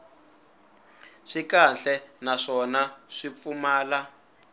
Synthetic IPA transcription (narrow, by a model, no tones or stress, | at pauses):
ʂikanɬɛnaʂɔnaʂip̪fumaːla